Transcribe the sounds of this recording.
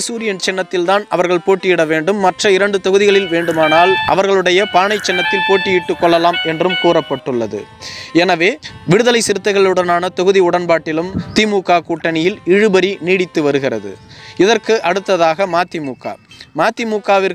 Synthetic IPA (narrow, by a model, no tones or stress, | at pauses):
suːɾɪjɐnt͡ʃɛnːɐt̪ːɪlt̪aːnɐʋɐɾɣɐɭpoːʈːɪjɪɽɐʋeːɳɖɯmːɐʈrɐɪɾɐɳɖɯt̪ɔɣɯðɪɣɐɭɪlʋeːɳɖɯmaːnaːlʔɐ̰ʋɐɾɣɐɭɯɽɐjɐpaːɳɐɪt͡ʃːɛnːɐt̪ːɪlpoːʈːɪjɪʈːɯkːɔɭːɐlaːmɛndrɯmkuːrɐpːɐʈːɯɭːɐðɯ̰ɛnɐʋeːʋɪɽɯðɐlɐɪsɪɾɯt̪ːɐɪɣɐɭɯɽɐnaːnɐt̪ɔɣɯðiʊɽɐnbaːʈːɪlɯmt̪imuːkaːkuːʈːɐnɪjɪlɪɻɯbɐɾiniːɽɪt̪ːɯʋɐɾɯɣɪrɐ̰ðɯ̰ɪðɐɾkɯʔɐɽɯt̪ːɐðaːɣɐmaːt̪ːimuːka̰ːmaːt̪ːɪmuːkaːʋɪɾ